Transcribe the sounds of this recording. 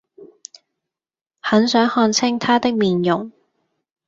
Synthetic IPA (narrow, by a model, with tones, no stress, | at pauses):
hɐ˨˥nsœː˨˥ŋhɔː˧nt͡sʰɪ˥ŋt̪ʰaː˥t̪ɪ˥k̚miː˨njʊ˨˩ŋ